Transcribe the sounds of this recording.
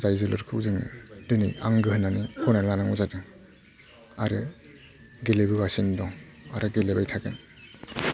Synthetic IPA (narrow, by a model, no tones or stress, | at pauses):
zajzɯlɯɾkʰɯwzɯŋɯ̰dɯniaŋɡɯɦɯnːanikʰɔnalanaŋuzadɯŋ | aɾɯ | ɡelebɯɡasindɔŋa̰ɾɯɡelebajtʰaɡɯn